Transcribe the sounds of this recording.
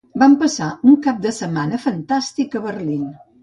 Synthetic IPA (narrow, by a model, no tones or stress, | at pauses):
bampəsauŋkap̚d̪əsəmanəfənt̪ast̪ikəβərlin